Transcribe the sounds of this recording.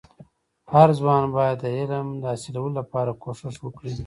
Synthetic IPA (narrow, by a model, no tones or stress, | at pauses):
haɾzwɑnbɑjad̪ːəɪlmd̪əasilawəlolapɑɾakoʂɪʂwəkɽi